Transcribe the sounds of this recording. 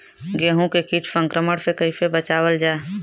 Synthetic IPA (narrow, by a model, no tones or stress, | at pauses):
ɡeːɦũkekit͡ʃʰsə̃ŋkɾəməɽsekəifebət͡ʃaːwəld͡ʒaː